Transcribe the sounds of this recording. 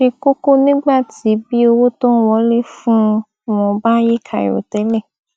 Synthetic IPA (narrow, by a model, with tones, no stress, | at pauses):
ʃe˧ko˦ko˦nĩ˦ɡ͡ba˦˨ti˨˦bi˦o˧wo˦tɔ˦n̩˦wɔ˧˦le˦˨fũ˦ | mɔ̃˧ba˦ji˦kʰa˨jo̰˨tɛ˨˦lɛ˦˨